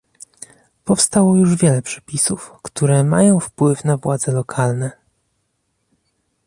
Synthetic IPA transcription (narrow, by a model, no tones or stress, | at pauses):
pɔfst̪awɔjuʐvʲjɛlɛpʂɛ̥pʲisufkt̪uɾɛma̰jɔ̃w̃fpwɘfnavwad̪zɛlɔkʰalnɛ